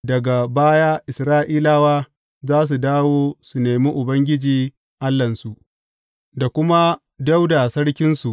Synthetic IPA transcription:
dɐ˨ɡa˨baː˦jaː˦ʔɪ˨sɾaː˦ʔiː˦laː˦waː˦ | zaː˦s̬u˨daː˦woː˦su˨neː˨miː˦ʔʊ˨bɐ˦ŋɡʲɪ˦d͡ʒiː˨ | ʔa˦lːɐ˨nsu˨ʔ | da˨kʷʊ˦ma˦ | da˦wda˨sɐ˦ɽkʲɪ˦nsu˨ʔ

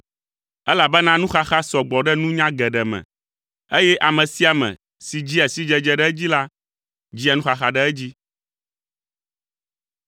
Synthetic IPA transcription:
ɛ˦la˨bɛ˦nã˦nũ˦xa˦xa˦sɔ˨ɡ͡bɔ˨ɖɛ˦nũ˦ɲã˦ɡɛ˨ɖɛ˨mɛ̰̃˨ | e˦jɛ˦ʔa˨mɛ̃˨si˦a˨mɛ̰̃˨ | si˨d͡ʑi˦ɛ˨si˦d͡ʒɛ˨d͡ʒɛ˨ɖɛ˦d͡ʑi˦la˦ | d͡ʑi˦a˨nũ˦xa˨xa˨ɖɛ˦ɛ˦d͡ʑi˦

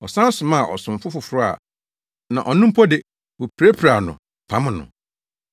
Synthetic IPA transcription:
ɔ˨sã˦n˦sʊ̃˨mã˦˨ʔɔ˨sʊ̃˨m̩˨fʊ˦fʊ˨fʊ˦ɾʊ˦a̰˨ | nã̰˨ʔɔ˨nũ˦m̩˦pʰɔ˦dɪ˦ | wʊ˨pʰɾe˦pʰɾa˨nʊ̰̃˨ | pʰã˦m̃˨nʊ̰̃˨

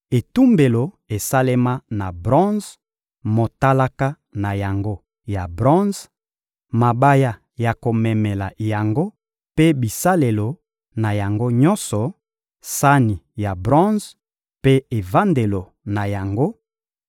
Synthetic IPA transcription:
e˨tu˦mbe˨lo˨ | e˨sa˦le˦ma˦na˨bʁɔ̃˦z | mo˨ta˦la˦ka˦ | na˨ja˨ŋɡo˦ | ja˨bʁɔ̃˦z | ma˨ba˦ja˦ | ja˨ko˨mɛ˨mɛ˨la˨ja˨ŋɡo˦ | pe˦bi˨sa˦le˨lo˨ | na˨ja˨ŋɡo˦ɲɔ̃˦sɔ˨ | sa˦ni˨ja˨bʁɔ̃˦z | pe˦e˨va˦nde˨lo˨ | na˨ja˨ŋɡo˦

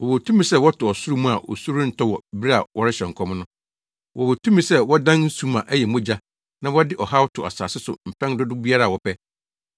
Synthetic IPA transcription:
wɔ˨wo˨tʰũ˦mĩ˨sɛ˦wɔ˦tʰʊ˨ɔ˨su˦ɾu˦mũ˦a˨ʔɔ̰˨su˦ɾũ˦n̩˦tʰɔ˦wɔ˨bɾi˦a˨wʔɔ˦ɾɪ˦ɕɛ˨ŋ̩˨kʰɔ˦mʊ̃˦nʊ̃˦ | wʔɔ˨wo˨tʰũ˦mĩ˨sɛ˦wɔ˦dã˦nn̩˦sũ˦mã˨ʔæ˦jɛ˨mʊ̃˦d͡ʑa˦ | nã˦wɔ˦dɪ˦ʔɔ˨ha˦wʊ˦tʰʊ˨a̰˨sa̰ː˨sɪ˦sʊ̰˨m̩˨pʰɛ̃˦ŋ˦dʊ˦dʊ˦bi˦a˦ɾa˦˨wɔ˨pʰɛ˦

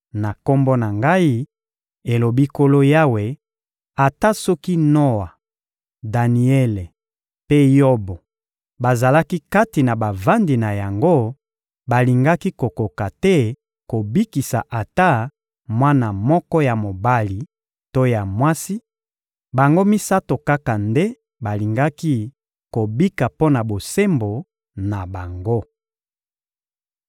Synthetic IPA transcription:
na˨ko˦mbo˦na˨ŋɡa˦i˦ | e˨lo˨bi˦ko˦lo˦ja˦we˨ | a˨ta˦sɔ˦ki˦no˦wa˨ | da˨ni˨ɛ˦le˨ | pe˦jo˦bɔ˨ | ba˨za˨la˦ki˦ka˦ti˨na˨ba˨va˦ndi˨na˨ja˨ŋɡo˦ | ba˨li˨ŋɡa˦ki˦ko˨ko˨ka˨tɛ˦ | ko˨bi˦ki˨sa̰˨ʔa˨ta˦ | mwa˦na˨mɔ˦kɔ˦ja˨mo˨ba˦li˨ | to˦ja˨mwa˦si˦ | ba˨ŋɡo˦mi˦sa˦to˨ka˦ka˨nde˦ | ba˨li˨ŋɡa˦ki˦ | ko˨bi˦ka˨po˦na˨bo˨se˦mbo˨ | na˨ba˨ŋɡo˦

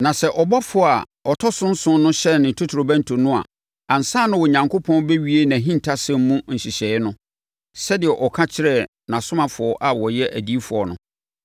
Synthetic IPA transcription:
nã˨sɛ˦ʔɔ˨bɔ˦fʊ˨˦˨a˨ | ɔ˨tʰɔ˦sʊ̃˦n̩˦sʊ̃˦nʊ̃˦ɕɛ˦˨nɪ̃˨tʰu˦tʰɾo˨bæ̃˦n˨tʰo˨nʊ̃˦a̰˨ | a˨n̩˨sãː˦nʊ̃˦wɔ˨ɲã˨ŋko˦pʰɔ̃˦nbɛ˦ɥi˦e˦nã˨ɦĩ˦ntʰa˦sɛ̃˦m˦mũ˦n̩˨ɕi˨ɕɛː˨ɪ˦nʊ̃˦ | sɛ˦dɪ˨ɛ˨ʔɔ˨kʰa˦t͡ɕʰɪ˦ɾɛ˦˨ | nã˨sʊ̃˦mã˨fʊ˨ɔ˦ʔa˨wɔ˨jɛ˦ʔæ˨di˦fʊ˨ɔ˨nʊ̰̃˨˦

